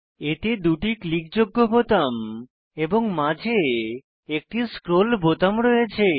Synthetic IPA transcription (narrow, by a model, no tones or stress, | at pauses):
et̪ed̪uʈiklik̚d͡ʑoɡːobot̪am | eboŋmãd͡ʑʱe | ek̚ʈiskɾolbot̪amɾɔjet͡ɕʰe